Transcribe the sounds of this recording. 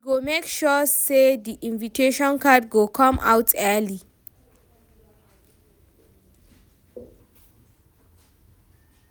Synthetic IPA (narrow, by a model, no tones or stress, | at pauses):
ɡomekʃɔsediʔĩnvitʰeʃɔ̃nkʰadɡokʰɔ̃mʔa̰wtʰɛli